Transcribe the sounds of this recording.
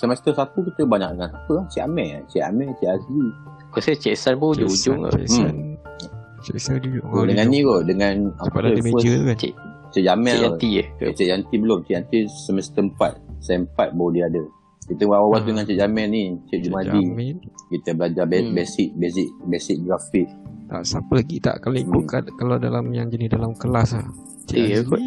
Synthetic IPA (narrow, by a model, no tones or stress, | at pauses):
səməst̪əsat̪ukit̪əbaɲa̰k̚dəŋanapəlaht͡ʃiʔamɛʔt͡ʃɛʔa̰mɛt͡ʃiʔasli | kəst͡ʃɛʔsanpəd͡ʒoud͡ʒʊ̰m | odəŋanːĩkodəŋanat̪əuəst͡ʃʔ | t͡ʃəʔd͡ʒamɛat̪it͡ʃɛʔant̪ibəlʊmt͡ʃiʔant̪isəməst̪əəmpat̪̚saəmpat̪̚bawədiadə | kit̪əwawawat̪̚dəŋant͡ʃɛʔ̚d͡ʒamɛnit͡ʃɛʔ̚d͡ʒumad̪imnkit̪əbəlad͡ʒabebesɪk̚besiʔ̚besɪk̚ɡɾafik̚t̪a̰ʔsapəlaɡit̪a̰ʔkaloiʊʔkat̪̚kalawdalamjaŋd͡ʒənidalamkəlasa | k